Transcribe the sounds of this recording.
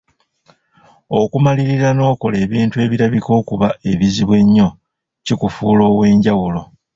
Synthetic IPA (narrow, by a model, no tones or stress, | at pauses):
o̞kumaliɾiɾano̞ːko̞le̞ːβiːntue̞ːβiɾaβiko̞kuβae̞βiziβwe̞ɲːo̞ | cikufuːlo̞ːwe̞ːɲɟawulo̞